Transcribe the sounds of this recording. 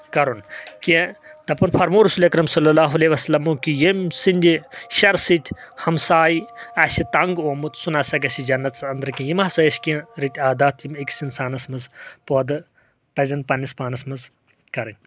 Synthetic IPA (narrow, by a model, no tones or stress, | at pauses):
kɐɾunkit̪ɐpɐnfʰɐɾmuːɾusuːlʲɐkɾɐmsɐlːɐlaːɦuɐleʋɐsɐlɐmuːkijemsind̪ʲiʃɐɾsit̪ʰʲhɐmsaːjiɐsʲit̪ɐŋɡoːmut̪sunaːsɐɡɐsid͡ʒɐnːɐt̪sɐnd̪ɐɾkʲĩjimasɐɐskʲiɾit̪ʲʰaːd̪aːt̪ʰimikʲsinsaːnɐsmɐzpoːd̪ɨ | pɐzʲɐnpɐnispaːnɐsmɐz | kɐɾɐnʲ